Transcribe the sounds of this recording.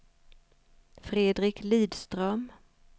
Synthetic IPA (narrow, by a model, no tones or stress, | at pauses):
fɾeːd̪ɾɪkliːd̪st̪ɾœm